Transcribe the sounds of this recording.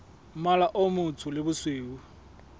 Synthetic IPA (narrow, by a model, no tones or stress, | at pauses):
malaʔomʊt͡sʰʊlɪbʊsweːu